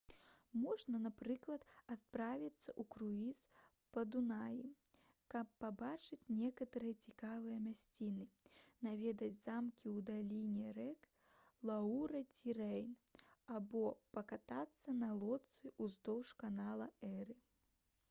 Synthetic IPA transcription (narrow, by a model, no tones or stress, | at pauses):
mɔʐnɐnapɾɨklˠɐt̪at̪̚pɾavʲit̪sːɐʔukɾuis | pɐd̪unaji | kɐpːabat͡ʂɨt͡sʲnʲɛkɐt̪ɐɾɨjɐt͡sʲikavɨjɐmʲasʲt͡sʲinɨnavʲɛd̪ɐd͡zʲzamkʲiwd̪alʲinʲɛɾɛk | lˠauɾɐt͡sʲiɾɛjnabɔpɐkat̪at̪sːɐnɐlˠɔt̪sɨʔuzd̪ɔwʂkanalˠɐɛɾɨ